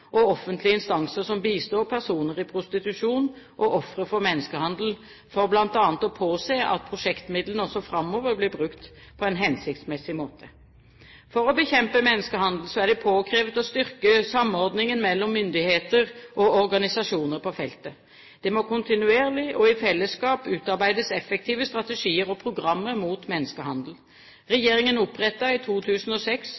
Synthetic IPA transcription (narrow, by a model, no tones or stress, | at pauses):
ʔɔɔfːənt̪lɪəɪnst̪ɑŋsəsɔmbiːst̪oːɾpʰæʁsuːnəʁɪpʰɾʊst̪ɪt̪ʉʂuːn | ʔɔʔɔfɾəɾfɔɾmɛnːəskəhɑnd̪l̩ | fɔɾblɑnt̪ɑːnət̪ɔpʰoːseːʔɑ̰t̪̚pʰɾʊʂɛkt̪mɪd̪lən̩ɔsɔfɾɑmːoːʋəɾblɪbɾʉkt̪ | pʰɔɛnɦɛnsɪkt̪smɛsɪmoːt̪ʰə | fɔɾɔbəçɛmpəmɛnːəskəhɑnd̪l̩sɔæʁɖ̪ɛpʰoːkʰɾeːʋət̪ɔst̪ʏʁkəsɑmɔɾd̪nɪŋənmɛlːɔmːʏnd̪ɪheːt̪əʁʔɔɔɾɡɑnɪsɑʂuːnəɾpʰɔfɛlt̪ə | d̪̥ɛmɔkʰʊnt̪ɪnʉeːʁlɪʔɔɪfɛlːəskɑːpʉːt̪ɑɾbæɪd̪əsɛfɛk̚t̪ʰiːʋəst̪ɾɑt̪əʂiːəɾɔpʰʁʊɡʁɑmːəɾmuːt̪mɛnːəskəhɑnd̪l̩ | ʁɛjeːʁɪŋənʊpʁɛt̪ːɑɪt̪ʰuːt̪ʰʉːsn̩ɔsɛks